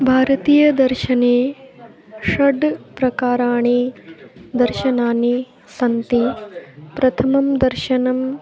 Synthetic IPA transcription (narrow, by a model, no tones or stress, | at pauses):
bʱaːɾɐt̪iːjɐd̪ɐɾʃɐneː | ʂɐɖpɾɐkaːɾaːɳ̃iːd̪ɐɾʃɐnaːni | sɐnt̪ipɾɐt̪ʰɐmɐmd̪ɐɾʃɐnɐm